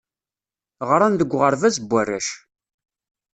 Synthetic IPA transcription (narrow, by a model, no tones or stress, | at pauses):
ʁɾˤanðəɡʷːʁəɾˤvæzəbʷːærːæʃ